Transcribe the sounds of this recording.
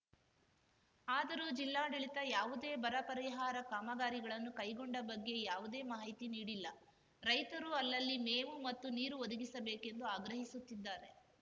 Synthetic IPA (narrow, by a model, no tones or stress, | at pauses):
aːd̪ɐɾuːd͡ʒilːaːɖiɭit̪ɐjaːʋud̪e̞ːbɐɾɐpɐɾiɦaːɾɐkaːmɐɡaːɾiɡɐɭɐnːukɐjɡoɳɖɐbɐɡːe̞jaːʋud̪e̞ːmɐɦɐjt̪iniːɽilːɐ | ɾɐjt̪ɐɾuɐlːɐlːimeːʋumɐt̪ːuniːɾuod̪uɡisɐbeːke̞nd̪uaːɡɾɐɦisut̪ːid̪ːaːɾe̞